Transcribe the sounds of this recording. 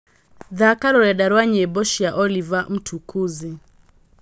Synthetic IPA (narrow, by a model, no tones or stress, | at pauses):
ðakaɾɔɾaɗaɾwaɲɛbɔʃijaʔɔlivam̩tʰukuzi